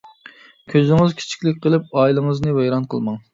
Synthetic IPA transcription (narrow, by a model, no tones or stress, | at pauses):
kʲʰøzɪŋɪzkʲʰi̥t͡ʃʰi̥kʲlɪkʲqʰəlˠɨp̚ɑːilˠɨŋəznɨvɛjɾɑnqʰə̰lˠmɑŋ